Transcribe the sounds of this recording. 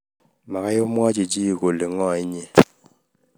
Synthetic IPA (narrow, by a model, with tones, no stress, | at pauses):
ma˨ɣa˦jo˦mwa˦d͡ʒi˨d͡ʒi˦˨ko˨li˨ŋɔ˦˨i˦ɲe˨